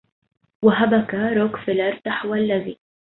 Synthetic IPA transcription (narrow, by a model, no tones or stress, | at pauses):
waɦabakaɾoːkfɪlaɾˤt̪aħwalːaði